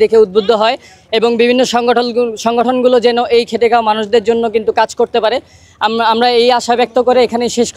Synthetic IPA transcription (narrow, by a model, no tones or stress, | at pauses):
d̪ekʰeud̪̚bud̪ʱːoɦɔe | eboŋbibʱinːoʃɔŋoʃɔŋɡoʈʰonɡulod͡ʑɛnoʔejkʰeʈekaomanuʃd̪eɾd͡ʑonːokint̪ukad͡ʑkoɾt̪epaɾe | amamɾaejaʃabɛk̚t̪okoɾeekʰanejʃeʃk